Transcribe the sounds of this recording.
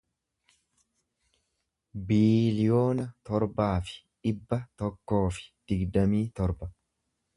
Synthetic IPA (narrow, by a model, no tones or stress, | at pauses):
biːlɪjo̞ːnɐt̪ɔɾbaːfɪ̥ᶑɪbːɐt̪ɔkːo̞ːfɪ̥d̪̥ɪɡd̪ɐmiːt̪ɔɾbɐ